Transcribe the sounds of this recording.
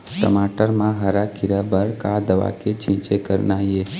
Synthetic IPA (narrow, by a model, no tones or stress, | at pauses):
ʈə̰maʈəɾmãɦaɾakʰiɾabəɭkad̪əʋa̰ket͡ʃʰĩt͡ʃekəɾnaje